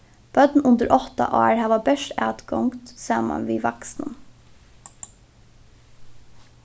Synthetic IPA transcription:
b̥œd̪n̩ʔʊnd̪əɾʔɔt̪ɑ̰ʔɑːɹhæːʋɑːbœʃtæːt̪ɡɔŋɡt̪sɑːmɑ̰nʋiːʋɑksnən

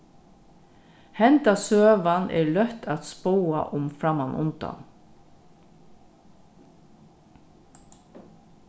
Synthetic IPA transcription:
hɛnt̪asøːʋanʔɛ̰ːɹlœht̪ʰat̪spowa̰ʔʊmfɾamanʊ̰nt̪a̰n

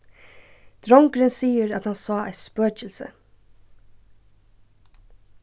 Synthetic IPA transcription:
d̪̥ɾɔŋkɾensiːəɾɑt̪hɑnsɑːæ̰ɪspøːc͡çəlsə̰

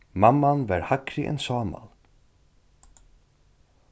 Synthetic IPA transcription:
mamːanvɛɾhakɾɪʔɛ̰nsɑːma̰l

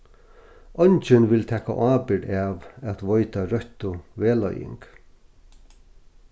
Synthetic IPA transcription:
ɔnt͡ʃɪnʋɪlt̪ʰɛːka̰ʔaːpɪɖaːʋæt̪ʋɔjt̪aɾœçt̪ʊʋeːlɔ̰jɪ̰ŋk

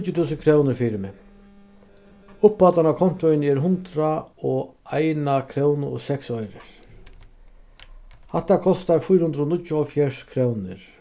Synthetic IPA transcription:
t͡ɕjʊt̪ʰuːsənkʰɾɔwnɪɾfiːɾmɛ | ʊpːaːt̪anakʰɔn̥t̪ʊɪnɛɾɦʊnt̪ɾaɔajnakʰɾoːwnɔ̰sɛksɔjɾɪ̰ɾ̥ | hɛht̪ːakʰɔst̪aɾfʊjɾhʊnd̪ɾɔnʊtjʊɔfjɛʂkʰɾownɪɾ̥

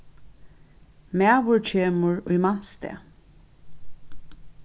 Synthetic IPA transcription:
mæːʋʊɹt͡ɕʰeːmʊɹʊ̰jman̥st̪ɛ̰ː

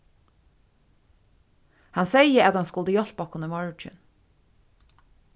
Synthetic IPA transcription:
hɑnsejəæt̪hɑnskʊld̪əjɔlpɔkʰʊnəmɔɹt͡ʃɪ̰n

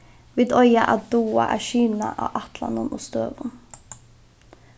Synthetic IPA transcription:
ʋiːd̪ɔʏɑʔɑd̪uːɑʔæːʃyːnɑʔɑːʔɑt̪lɑnʊnʔʊst̪øːʋʊn

